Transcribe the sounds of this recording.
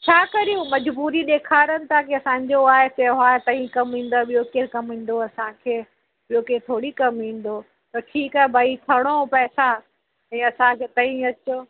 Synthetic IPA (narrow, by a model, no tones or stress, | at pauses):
t͡ɕʰaːkɐɾijũmɐd͡ʑbuːɾiɗ̪eːkʰaːɾənɪ̆t̪ʰakiɐsãːɲd͡ʑoaːɦeseɦaːt̪ɐ̃ɦĩkɐmɦĩːn̆d̪aɓijokeːkɐmɦĩːn̆d̪oɐsãkʰeː | ɓijokẽt̪ʰoːɽikɐmɦĩːn̆d̪o | t̪ɐʈʰiːkaːɦebʱaːit̪ʰɐɽ̃opɛːsa | ɛ̃ːɐsãkʰeːt̪ɐ̃ĩɐt͡ɕo